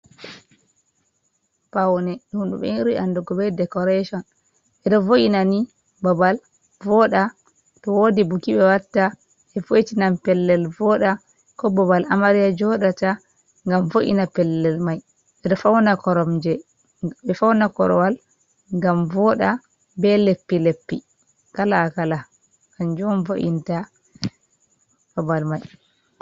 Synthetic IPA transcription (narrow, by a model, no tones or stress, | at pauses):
pawnɛɗumɗṵɓɛ̰ɾujandɔɡɔbɛdɛkɔɾeʃɔn | ʔɛɗɔvoʔinani | babal | vɔɗa | tɔwodibukiɓɛwatːa | ʔɛfojtinampɛlːɛlvɔɗa | kɔbɔbalʔamaɾijad͡ʒɔɗata | ŋɡamfoʔḭnapɛlːɛlmaj | ɓɛɗɔfawnakɔɾɔmd͡ʒɛ | ɓɛfawnakɔ̰ɾɔwal | ŋɡamvɔɗa | bɛlepːilepːi | kalaːkala | ɡand͡ʒɔmvo̰ʔḭnta | bɔbalmaj